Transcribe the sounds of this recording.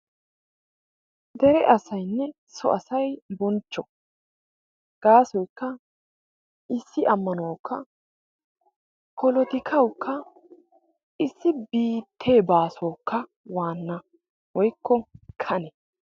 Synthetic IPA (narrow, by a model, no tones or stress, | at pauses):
d̪ɛɾɛʔɐsɐjnːɛ | sɔ̰ʔɐsɐjbɔnt͡ʃːɔ | ɡ̥aːsɔjkːɐ | ʔɪsːɪʔɐmːɐnoːkʰːɐ | kʰɔlɔt̪ɪkʰɐwkʰːɐ | ʔɪsːɪbiːt̪ʰːe̞ːbaːsoːkːɐ | waːnːɐ | wɔjkʰːɔkʰɐnɛ